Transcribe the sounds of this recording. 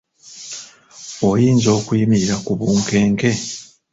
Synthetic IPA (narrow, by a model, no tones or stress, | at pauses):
ojiːnzo̞ːkwiːmiiɾakuβuːŋke̞ːŋke̞